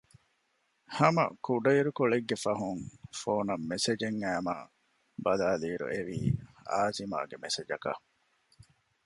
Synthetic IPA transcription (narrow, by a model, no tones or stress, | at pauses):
hɐmɐ̰kuɖɐiɾukoɭeɡːefɐɦuŋfoːnɐmːesed͡ʒeŋːæːma̰ː | bɐlaːliːɾṵʔeʋḭːa̰ːzima̰ːɡemesed͡ʒɐkɐ̰